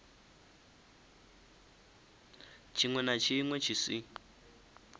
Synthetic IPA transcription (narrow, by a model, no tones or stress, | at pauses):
t͡ʃʰiŋwɛnat͡ʃʰiŋwɛt͡ʃʰisi